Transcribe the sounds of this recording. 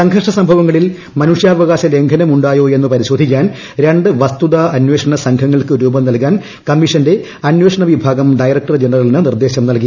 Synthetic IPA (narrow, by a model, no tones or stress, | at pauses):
sɐŋkʰɐʂɐsɐmbʱɐʋɐŋːɐɭil | mɐnuʂjaːʋɐɣaːɕɐle̞ŋɡʰʱɐnɐmuɳɖaːjo̞ːe̞nːɨpɐɾiɕo̞ːd̪ʱikʲːaːn | ɾeɳɖɨʋɐst̪uðaːɐnwe̞ːʂɐɳɐsɐŋkʰɐŋːɐɭkɨɾuːbɐmnɐlkːaːn | kɐmːiʂɐnde̞ | ɐnweːʂɐɳɐʋibʱaːɡɐmɖɐjrɐk̚ʈɐrd͡ʑenɐrɐlinɨnird̪e̞ːɕɐmnɐlki